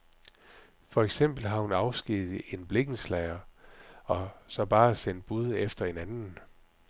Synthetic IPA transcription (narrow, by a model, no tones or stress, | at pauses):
fɒ̽eɡ̥sem̰b̥l̩ɦɑ̈hunɑ̈ʊsɡ̥ið̩ˠe̝nb̥le̝ɡ̥n̩slæɪɐ | ɒ̽sɒ̽b̥ɑ̈ːsen̰d̥̚b̥uð̞ˠefd̥ɐe̝nænn̩